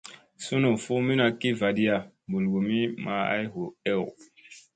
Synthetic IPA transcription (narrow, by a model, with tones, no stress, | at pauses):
su˦no˨fu˦mi˦na˧ki˦va˨di˦a˨ | bu˨lɡo˨mi˦ma˨˦a̰˦jɦo˨ɛ˦w